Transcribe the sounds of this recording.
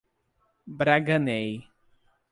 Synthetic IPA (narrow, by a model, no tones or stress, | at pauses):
bɾaɡɐnej